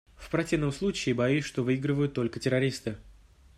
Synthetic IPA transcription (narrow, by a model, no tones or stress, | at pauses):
fpɾɐtʲivnəmslˠut͡ɕɪːbɐjiʂt̪o̞vɨiɡɾɨvəjʊt̪ːo̞lʲkətʲɪɾɐɾʲist̪ɨ